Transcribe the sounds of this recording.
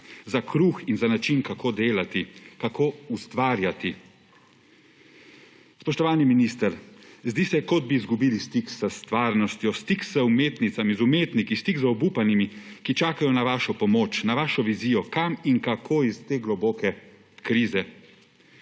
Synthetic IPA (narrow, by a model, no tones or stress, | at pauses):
zakɾuxinzanat͡ʃinkakʰoːd̪eːlat̪ikakoːust̪ʋaːɾjat̪i | spɔʃt̪ɔʋaːniminist̪əɾzd̪isɛkɔd̪̚biːzɡubiːlist̪iksəst̪ʋaːɾnɔst̪jɔst̪ikzəumeːt̪nit̪samizumeːt̪nikist̪ikzɔbupanimikit͡ʃaːkajɔnaʋaːʃɔpɔmoːt͡ʃnaʋaːʃɔʋiziːjɔkamiŋkakʰoːist̪eːɡlɔboːkɛ | kɾiːzɛ